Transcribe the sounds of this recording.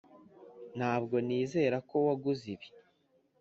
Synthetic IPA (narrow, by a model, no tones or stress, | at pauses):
n̥haːbɡo̞niːze̞ːɾako̞waɡuziβi̥